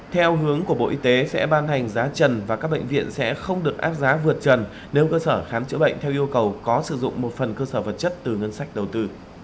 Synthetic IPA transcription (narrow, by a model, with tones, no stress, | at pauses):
t̪ʰɛ˧wɦɨ˨˦əŋku˧˩əɓo̰˧˨ʔi˧t̪e˨˦sɛ̰˧˥ɓaː˧nha˨˩jŋ̟zaː˨˦t͡ɕə˨˩nvaː˨˩kaː˦˥k̚ɓḛ˧˨ŋvḭ˧˨ənsɛ̰˧˥xə˧wŋ͡mɗɨ˨˩ək̚ʔaː˦˥p̚zaː˨˦vɨ˨˩ət̚t͡ɕə˨˩n | ne˨˦wkəː˧səː˧˩xaː˨˦nt͡ɕɨ̰˧˥ɓə̰˧˨ŋ̟t̪ʰɛ˧wʔi˧əwkə˨˩wkɔ˨˦sɨ˧˩zʊ̰˧˨ŋ͡mmo˨˩t̚fə˨˩nkəː˧səː˧˩və˨˩t̚t͡ɕə˦˥t̚t̪ɨ˨˩ŋə˧nsa˦˥jk̟̚ɗə˨˩wt̪ɨ˧